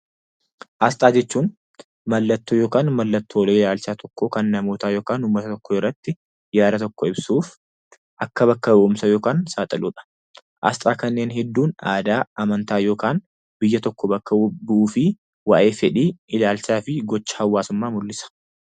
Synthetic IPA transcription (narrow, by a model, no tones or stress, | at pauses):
ʔɐst̪ʼaːd͡ʒɛt͡ʃːuːn | mɐlːɐt̪ːoːjo̞ːkaːnmɐlːɐt̪ːoːleːɪlaːlsaːt̪ʰɔkːoːkɐnːɐmo̞ːt̪aːjo̞ːkaːnʊmːɐt̪ɐt̪ɔkːɔɪrːɐt̪ːɪ | jaːd̪ɐt̪ɔkːɔɪbsuːf | ʔɐkːɐβɐkːɐbʊʔʊmsɐjo̞ːkaːnsaːt̪ʼɐluːᶑɐ̥ | ʔɐ̰st̪ʼaːkɐnːe̞ːnɦɛd̪ːuːna̰ːd̪aːɐmɐnt̪aːjo̞ːkaːn | bɪjːɐt̪ɔkːɔbɐkːɐbʊʔuːfɪ | waːʔe̞ːfɛᶑiːʔɪlaːlsaːfɪɡɔt͡ʃːɐ̥hɐwːaːsʊmːaːmʊlːɪsɐ̥